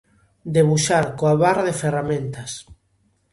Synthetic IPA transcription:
d̪eβuʃaɾkoaβarðeferamẽnt̪ɐs

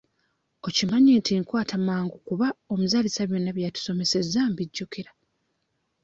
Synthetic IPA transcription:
o̞cimaɲintiŋkwaːtʰamaːŋɡukuβao̞muzalisaβjo̞nːaβjatu̥so̞me̞se̞zambiɟːukeɾa

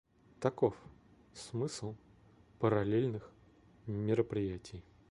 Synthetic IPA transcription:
t̪ɐkof | smɨslˠ | pəɾɐlʲelʲnɨx | mʲɪɾəpɾʲɪjætʲɪj

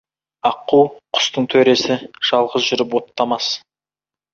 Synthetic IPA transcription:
ɑqːuwqʰʊ̥st̪əɴt̪ʰɵɾe̞sɪʒ̥ɑlˠʁəzʒʏɾɪpwo̞t̪ːɑmɑs

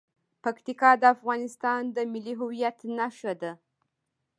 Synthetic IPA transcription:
pakt̪ikɑd̪əafɣɑnɪst̪ɑnd̪əmɪliɦʊwijat̪naʃad̪a

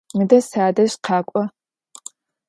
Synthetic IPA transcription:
mɨdɐsaːdɐɕqʰɑːkʷʼɔ

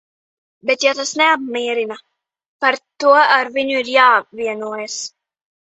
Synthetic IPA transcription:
bet̪jat̪asnɛab̚miɛɾina | paɾt̪uɔaɾviɲuiɾjaːviɛnuːjɛs

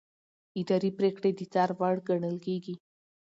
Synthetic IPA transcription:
ɪd̪ɑɾipɾekɽed̪ət͡sɑɾwaɽɡaɳəlkeɡi

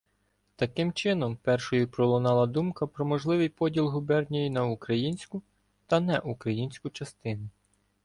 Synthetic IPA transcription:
t̪ɐkɪmt͡ʃɪnɔmpɛrʃɔjupɾɔlˠɔnɑlˠɐd̪umkɐpɾɔmɔʒlˠɪʋɪjpɔdʲilˠɦʊbɛrnʲɔjinɐukɾɐjinʲsʲkʊ | t̪ɐnɛʔukɾɐjinʲsʲkʊt͡ʃɐst̪ɪnʊ

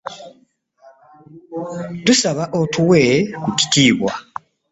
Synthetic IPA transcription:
tusaβaʔotʰuwekuci̥tiːβwa̰

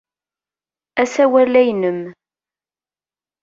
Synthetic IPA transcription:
æsæwælæjnəm

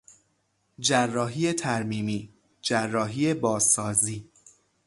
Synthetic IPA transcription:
d͡ʒærːɒːɦiːje̞t̪ʰæɾmiːmiː | d͡ʒærːɒːɦiːe̞bɒːzɒːziː

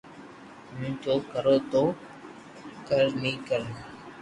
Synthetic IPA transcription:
mʊ̃ːt͡ʃoːkəɾoːt̪oː | kəɾnĩːkəɾ

